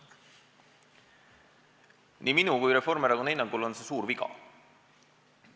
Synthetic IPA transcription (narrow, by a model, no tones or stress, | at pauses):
niminukujɾefoɾmeɾɑɡunejnɑŋɡulonsesuːɾvikɑ̰